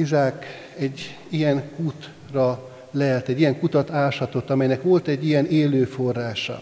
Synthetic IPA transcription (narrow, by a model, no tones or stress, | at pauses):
izaːk | ɛɟː | ijɛnkut̪ | rɒ | lɛːlt̪ɛɟːijɛŋkut̪ɒt̪aːʃɒt̪o̞t̪ːɒmɛjnɛkʋo̞lt̪ɛɟːijɛneːløːfo̞rːaːʃɒ̰